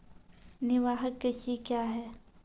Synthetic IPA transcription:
nɪʋaːɦəkːesikjaːɦɛː

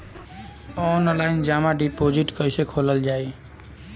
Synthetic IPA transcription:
ɔnlaind͡ʒamaɖipod͡ʒiʈkəjsekʰoləld͡ʒaj

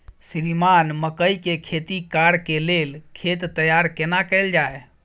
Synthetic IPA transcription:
sɾimanməkəikekʰet̪ikaɾkelelkʰet̪ːəjaɾkenakəɪld͡ʒae

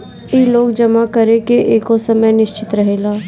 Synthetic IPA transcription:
iloːɡd͡ʒɐmakəɾekeʔeːkosəməjnɪʃt͡ʃɪt̪ɾɐɦeːlaː

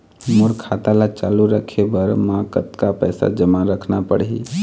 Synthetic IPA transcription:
mʊɾkʰaːt̪alat͡ʃa̰ːluɾəkʰebəɾmãːkət̪kapɛːsa̰d͡ʒəmãɾəkʰnapəɽɦḭ

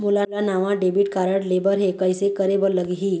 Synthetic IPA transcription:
mulalanaʋãɖebiʈkaɾəɽlebəɾɦekəjsekəɾebəɾləɡiɦiː

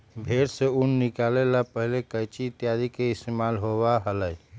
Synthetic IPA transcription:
bʱeɾseunːikalelapəɦilekəjt͡ʃiːt̪jad̪ikeist̪emalɦoβaɦələj

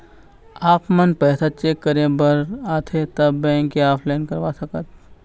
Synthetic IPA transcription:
aːpmɐnpɛːsat͡ʃeːkːəɾẽbəɾaːt̪ʰet̪ɐbːɛ̃ːŋkiaːpʰlaɪnkɐɾʋaːsɐkət̪̚

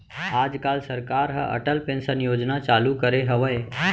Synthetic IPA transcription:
aːd͡ʒkaːlsəɾkaːɾɦə̰ʔə̰ʈəlpẽnsənjoːd͡ʒnat͡ʃaːlukəɾeɦəʋəj

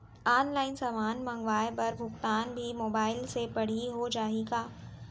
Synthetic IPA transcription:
aːnlaːɪnsaːmaːnmɐ̃ŋɡʋaːjpɐɾbʱʊkt̪aːnbʱimoːbaːɪlsepɐɽ̤iɦod͡ʒaːiɡaː

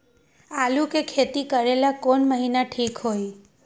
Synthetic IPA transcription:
alũkekʰet̪ikəɾelakoɳməɦinaʈʰikɦoj

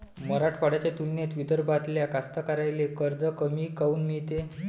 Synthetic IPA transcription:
məɾaʈʰfaɽat͡ɕet̪ulnjet̪ʋid̪əɾbat̪ljakast̪akaɾajlekəɾd͡zəkəmiːkəuːnmiɭt̪e

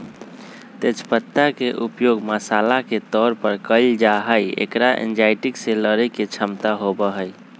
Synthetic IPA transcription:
t̪et͡ʃpət̪ːakeʔupjoɡməsalaket̪ɔɾpəɾkəld͡ʒaɦəjḛkɾaʔḛnd͡ʒajʈikseləɾəket͡ʃʰəmt̪aɦobəɦəj

